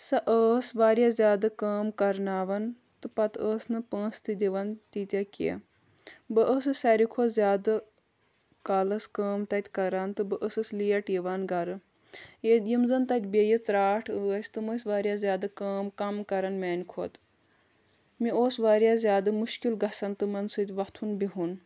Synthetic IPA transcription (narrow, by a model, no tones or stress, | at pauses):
sɐʔəːsʋaːɾjaːzʲjaːd̪ɨkaːmkɐɾnaːʋɐn | t̪ɨpɐt̪əːsnɨpə̃ːst̪id̪ʲiʋɐnt̪it̪ʲɐkʲḛ | bɨʔəːsɨsaɾikʰoːzʲjaːd̪ɨ | kaːlɐskəːmt̪ɐt̪ʲkɐɾaːnt̪ɨbɨʔəsɨslijɐʈiʋanɡɐɾɨ | jed̪jimzɐnt̪ɐt̪ʲbejit͡sɾaːʈʰəːsʲt̪ɨməsʋaːɾʲjaːzʲjaːd̪ɨkaːmkɐmkɐɾɐnmaːnʲkʰo̰ːt̪ | mioːsʋaːɾjaːzʲjaːd̪ɨmuʃkilɡɐsɐnt̪ɨmɐnsɨt̪ʲʋɐt̪ʰunbiɦun